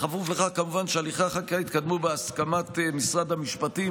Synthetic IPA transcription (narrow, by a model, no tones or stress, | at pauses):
χafuvleχakamuvanʃealiχaχakait̪kad̪mubeaskamatmisʁad̪hamiʃpati